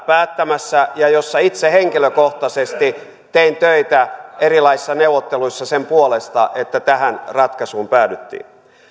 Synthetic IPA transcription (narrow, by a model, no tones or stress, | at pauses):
pæːt̪ːæmæsːæjɑjosːɑit̪seheŋkiløkoht̪ɑsest̪i | t̪eint̪øit̪æerilɑisi̥sːɑneuwʋːˑot̪ːeluisːɑsempuolest̪ɑʔet̪ːæt̪æhænrɑt̪kɑsuːmpæːdyt̪ːḭːn